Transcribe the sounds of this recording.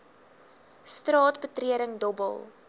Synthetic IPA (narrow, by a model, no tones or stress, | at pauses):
strɑːtbətriəɾəŋdɔbə̰lˠ